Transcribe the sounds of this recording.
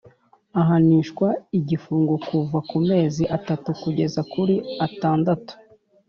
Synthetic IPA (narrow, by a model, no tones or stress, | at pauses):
aɦaniːʃkwaiɟifuːŋɡukuvakume̞ːziʔatatukuɟe̞zakuɾiataːndatu̥